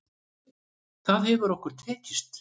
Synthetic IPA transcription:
θaðhɛvʏɾɔhkʏɾ̥t̪ʰɛːcɪst̪

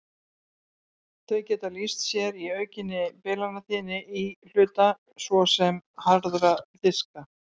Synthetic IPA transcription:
θœɥcɛːt̪alist̪sjɛɾiœːɥcɪnːɪpɛːlanaθiːnɪil̥ʏːt̪a | svɔsɛmhaɾðɾaθɪska

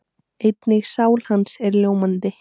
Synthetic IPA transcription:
ejt̪nɪɣsaːwl̥hansɛɾljoːwmant̪ɪ

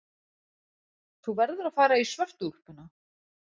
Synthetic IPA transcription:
θuvɛɾðʏɾaðfaːɾaisvœr̥t̪ur̥pʏnːa

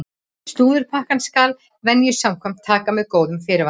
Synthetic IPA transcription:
st̪uːðʏɾ̥pʰahkanskaːl | vɛnːjɪ̥sawmkʰvɛm̥t̪ʰːaːkamɛðkoːwðʏmfɪːɾɪɾva

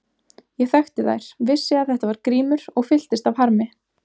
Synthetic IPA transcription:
jɛɣθœɥxt̪ɪða̰jɾ̥vɪsːɪaðθɛht̪avaɾkɾiːmʏɾ̥ɔɣfɪl̥t̪ɪst̪avɦaɾmɪ

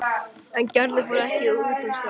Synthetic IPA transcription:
ɛncɛɾðɪfɔɾɛhcɪuːt̪ɪst̪a

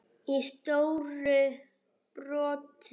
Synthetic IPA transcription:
ist̪owɾʏ | pɾɔːt̪

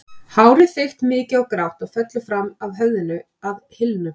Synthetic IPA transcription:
haːwɾɪθejl̥t̪mɪːcɪawkɾawht̪aɣfɛt̪lɪfɾamavɦœɣðɪnʏ | aðhɪlnʏ

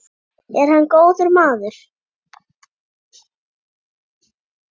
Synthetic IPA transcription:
ɛɾ̥hanːkoːwðʏɾmaːðʏɾ̥

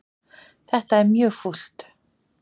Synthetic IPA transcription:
t̪ʰaːt̪amjofuɬt̪

